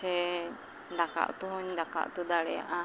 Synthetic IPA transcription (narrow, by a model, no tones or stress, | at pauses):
ɛ | ɖaka̰ʔt̪uɦɔɲɖaka̰ʔt̪ud̪aɽɛja̰ʔa